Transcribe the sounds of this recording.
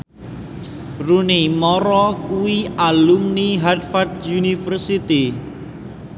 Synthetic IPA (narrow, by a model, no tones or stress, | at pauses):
runimɔɾɔkuwialumniɦadfadjunifərsit̪i